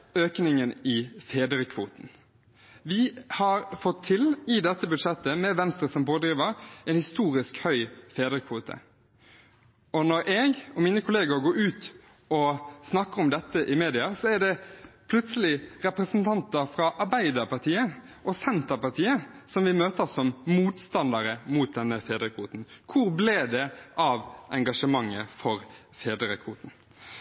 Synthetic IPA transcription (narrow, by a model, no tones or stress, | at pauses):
øːknɪŋənɪfeːd̪ɾəkʰʋṵːt̪n̩ | ʋɪhɑɾfɔt̪ʰːɪlɪd̪ɛt̪ːəbʉd̪ʂɛt̪ːəmɛʋɛnst̪ɾəsɔmpoːd̪ɾiːʋəɾɛnhɪst̪uːɾɪskhœʏfeːd̪ɾəkʰʋuːt̪ʰə̰ | ɔnɔɾʔɛːɡɔmiːnəkʰʊleːɡʊɾɡoːɾʉːt̪ | ɔsnɑkːəɾɔmd̪ɛt̪ːəʔɪmeːd̪ɪɑsɔæɖɛpʰlʉt̪səlɪɾɛpʁɛsənt̪ʰɑnt̪əɾfɾɑʔɑɾbæɪd̪əɾpʰɑʁt̪ʰiːə | ʔɔsɛnt̪əɾpɑʁt̪ʰiːəsɔmʋɪmøːt̪əsɔmmuːt̪st̪ɑnd̪ɑɾəmuːt̪̚d̪ɛnːəfeːd̪ɾəkʰʋuːt̪n̩kʰʊɾbleːd̪ɛʔɑʋʔɛŋɡɑʂəmɑŋːəfɔɾ | feːd̪ɾəkʰʋuːt̪n̩